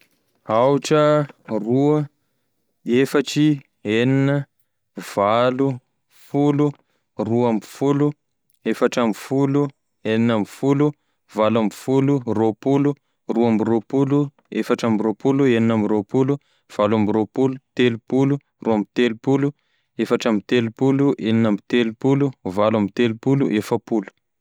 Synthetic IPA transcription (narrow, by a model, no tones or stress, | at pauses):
awʈ͡ʂəruə | efaʈ͡ʂi | eninə | v̥alu | fulu | ruamifulu | efaʈ͡ʂamifulu | eninamfulu | valamifuluropulu | ruamiropulu | efaʈ͡ʂamiropulueninamiɾopulu | v̥alamiropulut̪elupulu | ruamit̪elupulu | efaʈ͡ʂamit̪elupuluʔeninamit̪elupuluvalamit̪elupulṵʔefəpulu̥